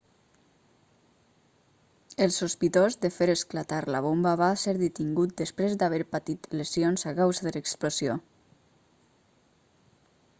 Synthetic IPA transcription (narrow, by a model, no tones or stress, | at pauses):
əlˠsuspit̪ozd̪əfeɾəsklat̪aɾlaβ̞ombəβaseɾðit̪iŋɡut̪̚d̪əspɾezd̪aβ̞eɾpat̪it̪ləsionzakawzaðələksplosio